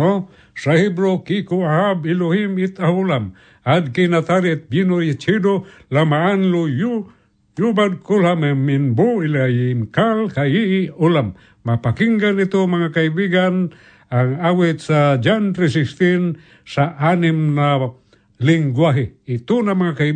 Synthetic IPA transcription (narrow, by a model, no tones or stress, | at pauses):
o | sahibɾokikuaɦabilohimit̪ahulam | ad̪kinat̪aɾit̪̚binojat͡ʃido | lamaːnloju | jubad̚kulhameminbuilajiŋkalkaiolamː | apakiŋɡanit̪omaŋakaibiɡan | aŋawit̪sad͡ʒanrisist̪in | saʔanimna | liŋɡwaɦeit̪unamaŋaka